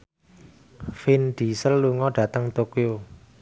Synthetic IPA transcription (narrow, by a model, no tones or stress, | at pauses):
finɖ̪̥i̤səlːuŋɔɖ̥ä̤t̪əŋt̪okio